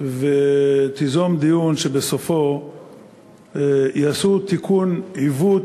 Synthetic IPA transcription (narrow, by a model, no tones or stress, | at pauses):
vet̪izomd̪ijunʃebesofo̞ | jasut̪ikunivu